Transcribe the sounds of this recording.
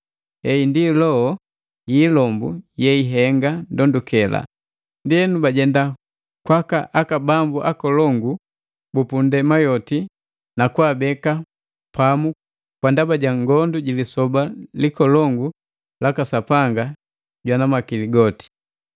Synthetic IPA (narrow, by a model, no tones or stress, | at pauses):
ɛindilɔɔ | jiːlɔmbujɛiɦɛŋɡandɔndukɛla̰ | ndiɛnubaɟɛnda | kwakaʔakabambuʔakɔlɔŋɡu | bupundɛmajɔti | nakwaːbɛka | pamu | kwandabaɟaŋɡɔnduɟilisɔbalikɔlɔŋɡu | lakasapaŋɡa | ɟwanamakiliɡɔti̥